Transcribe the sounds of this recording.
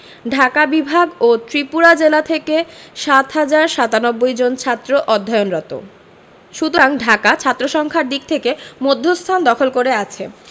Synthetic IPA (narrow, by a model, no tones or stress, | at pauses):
ɖʱakabibʱaɡot̪ɾipuɾad͡ʑelat̪ʰekeʃat̪ɦad͡ʑaɾʃat̪anɔbːojd͡ʑont͡ɕʰat̪ːɾoʔɔd̪ʱːajonɾɔt̪o̰ | ʃut̪oɾaŋɖʱakat͡ɕʰat̪ːɾoʃɔŋkʰaɾd̪ik̚t̪ʰekemod̪ʱːost̪ʰand̪ɔkʰolkoɾeat͡ɕʰe